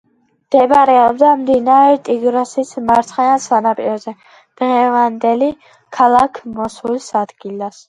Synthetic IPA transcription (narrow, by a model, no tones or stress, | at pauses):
md̪̥ɛbaɾɛɔbd̪amd̪inaɾɛɾt̪ʼiɡɾɔsismaɾt̪sʰχɛnansanapʼiɾɔzɛ | d̪̥ʁɛvand̪ɛli | kʰalˠakʰmɔsulsad̪ɡilas